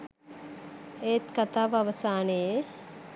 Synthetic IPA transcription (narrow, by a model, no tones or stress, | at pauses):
et̪kat̪aːʋaʋəsaːneje